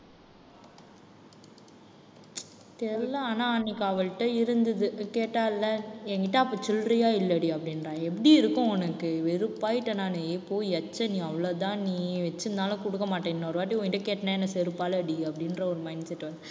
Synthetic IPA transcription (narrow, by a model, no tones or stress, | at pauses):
t̪ɛlːɐaːnãːnikːɐʋɐɭʈːɐɪɾɯnd̪ɐðɯkeːʈːaːlːɐɛŋɡɪʈːãːɐpːoːt͡ʃɔlrɐjaːɪlːɐɽiɐpːɐɽɪnɾãːɛpːɐɽiɪɾɯkːõɔnɐkːɯʋɛɾɯpːaːjɪʈːɐnaːnɯeːpoːɛt͡ʃːɐnĩːɐʋɐɭɐt̪ãːniːʋɛt͡ʃːɯnaːlɐ̃kɔɽɯkːɐmaːʈːeːŋnɔɾɯʋaːʈ̬ːiɔ̃ŋɡɪʈːɐkeːʈːɐnẽɛnːɐsɛɾɯpːaːlɐɐɽiɐpːɐɽɪnɾɐɔɾɯmɐɪnsɛʈːʋɐl